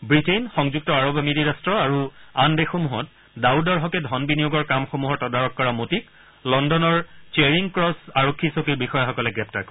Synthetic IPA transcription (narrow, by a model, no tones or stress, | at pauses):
bɹitenxɔŋzuk̚tɔaɹɔbmidiɹastɹɔaɹuandexomuɦɔt̚ | daudɔɹɦɔkɛdʱɔnbinijoɡɔɹkamxomuɦɔɹtɔdaɹɔkːɔɹamotik | lɔndɔnɔɹt͡ʃeɹiŋkɹɔsaɹokʰːisokiɹbixɔjaxɔkɔlɛɡɹɛp̚taɹkɔɹɛ